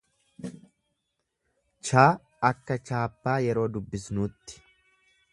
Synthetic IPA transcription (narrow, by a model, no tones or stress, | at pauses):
t͡ʃaː | ɐkːɐt͡ʃaːpːaːjɛɾo̞ːd̪ʊbːɪsnuːt̪ːɪ̥